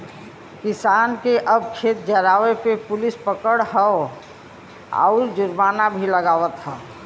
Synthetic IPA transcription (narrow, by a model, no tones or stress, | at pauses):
kɪsaːnkeʔəb̚kʰeːt̪̚d͡ʒəɾaːʋepepʊlɪspəkəɽɦɛo | a̰ʊɾd͡ʒʊɾmaːnabʱiləɡaːwət̪ɦɛː